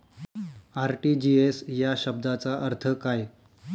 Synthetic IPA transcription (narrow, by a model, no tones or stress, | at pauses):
aɾʈid͡ʑiesjaɕəb̚d̪at͡saʔəɾt̪ʰəkaj